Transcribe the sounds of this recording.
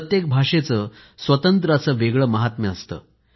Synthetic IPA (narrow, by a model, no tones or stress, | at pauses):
t̪jek̚bʱaʂet͡səː | sʋət̪ənt̪ɾəat͡səːʋeɡɭəməɦat̪meəst̪ə̰ː